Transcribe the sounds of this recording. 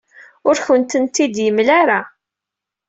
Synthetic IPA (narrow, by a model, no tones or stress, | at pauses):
ʊɾçənt̪ənt̪id̪jəmlaɾa